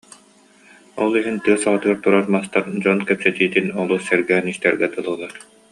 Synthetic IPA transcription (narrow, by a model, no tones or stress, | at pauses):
ɔlˠiɦint̪ɯɐsaʁat̪ɯaɾt̪uɾaɾmast̪aɾd͡ʑɔnkɛpsɛt̪iːt̪inɔlˠusɛɾɡɛːniɕt̪ɛɾɡɛt̪ɯlˠɯːlˠaɾ